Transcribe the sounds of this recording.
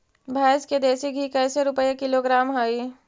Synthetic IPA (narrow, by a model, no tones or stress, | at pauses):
bʱaːɪsked̪eːsiɡʱikɛːseɾʊpəjekɪloɡɾaːmɦəi